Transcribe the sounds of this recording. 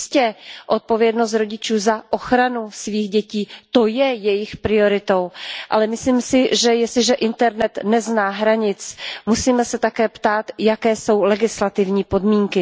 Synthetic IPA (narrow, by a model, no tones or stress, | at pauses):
scɛʔo̞t̪̚po̞vjɛdno̞s̬t̪ɾo̞ɟɪt͡ʃuːzaʔo̞xɾanusviːxɟɛciːt̪o̞jɛjɛjɪxpɾɪo̞ɾɪt̪o̞wʔa̰lɛmɪslimsɪʒɛjɛslɪʒɛʔɪnt̪ɛɾnɛt̪nɛznaːɦɾaɲɪt͡smusiːmɛsɛt̪akɛːpt̪aːt̪jakɛːso̞wlɛɡɪslat̪ɪvɲiːpo̞dmiːŋkɪ